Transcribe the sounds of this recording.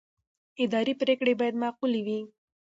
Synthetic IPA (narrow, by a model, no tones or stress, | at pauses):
ɪd̪ɑɾipɾekɽebɑjad̪mɑquliwi